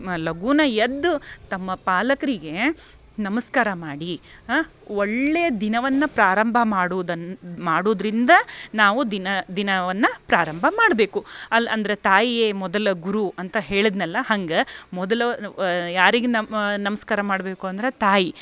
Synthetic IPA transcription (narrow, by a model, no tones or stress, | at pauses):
lɐɡuːnɐjɐd̪ːut̪ɐmːɐpaːlɐkɐɾiɡe̞ | nɐmɐskaːɾɐmaːɽi | ɔɭːejɐd̪inɐʋɐnːɐpɾaːɾɐmbʱɐmaːɽuːd̪ɐmaːɽoːd̪ɾind̪ɐnaːʋud̪inɐd̪inɐʋɐnːɐpɾaːɾɐmbʱɐmaːɽɐbe̞ːkuɐlɐnd̪ɐɾet̪aːjijeːmɔd̪ɐlɐɡuɾuʔɐnt̪ɐɦe̞ːɭid̪nɐlːɐhɐŋɡɐmɔd̪ɐlɐjaːɾiɡennɐmɐskaːɾɐmaːɽbe̞ːkuɐnd̪ɐɾet̪aːji